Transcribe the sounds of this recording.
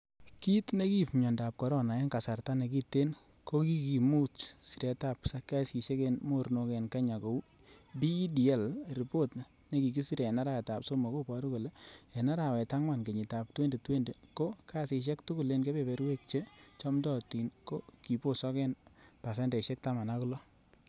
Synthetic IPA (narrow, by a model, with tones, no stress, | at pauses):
ki˦tne˦ki˦pɲɔ˨nda˨p̚kɔ˨ɾɔ˦na˨e˦ŋka˨sa˨rta˦ne˨ki˦tːe˦n | ko˦ki˦ki˨mu˦t͡ʃsi˨ɾe˨ta˦psaka˦si˨se˦ke˦nmo˦ɾno˨kɛ˨nka˦ɲa˨ko˨u˦ | bi˦di˨ɛ˦lɾi˨po˦t | ne˦ki˨ki˦si˦ɾe˨na˦ɾa˦ɛ˨ta˨pso˦mo˨ko˦pɔ˨ɾu˦ko˨le˦e˨na˦ɾa˨wɛ˨ta˦ŋwa˦˨nke˨ɲi˨ta˨p̚twe˦nde˨twe˦nde˨ko˦ka˦si˨˧ʃ̬ɛ˦ktʊ˦kʊ˦le˦nke˦pe˨pe˨ɾwe˦k̚t͡ʃe˦t͡ʃɔ˦mdɔ˨ti˨nko˦ki˨po˦sɔ˦kɛ˦n | pa˨s̬ɛ˦nde˨ʃɛ˦k̚ta˦ma˨na˦ku˦lɔ˦